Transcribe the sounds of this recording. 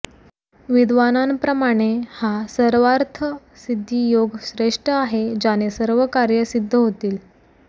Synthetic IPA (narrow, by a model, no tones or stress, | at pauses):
ʋid̪ʱʋanampɾəmaɽ̃ehasəɾʋaɾt̪ʰə | sid̪ʱːiːjoɡsɾeʂʈəaɦed͡ʑanesəɾʋəkaɾjəsid̪ʱːəɦot̪iːl